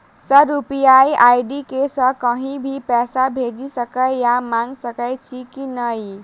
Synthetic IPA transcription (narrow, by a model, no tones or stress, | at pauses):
səɾupijajajɖikesəkəɦĩbʱipɛsabʱed͡ʒisəkəjjamaŋɡsəkəjt͡ʃʰikinəj